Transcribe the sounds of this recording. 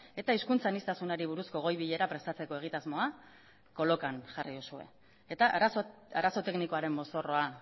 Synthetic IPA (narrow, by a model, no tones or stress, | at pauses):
e̞t̪aiskunt͡sanist̪asunaɾiβ̞uɾusko̞ɣ̞o̞jβiʎe̞ɾapɾe̞st̪at͡se̞ko̞e̞ɣ̞it̪azmo̞a | ko̞lo̞kanʝariðusue̞̰ | et̪aʔɾas | aɾaso̞t̪e̞kniko̞aɾe̞mːo̞so̞ro̞a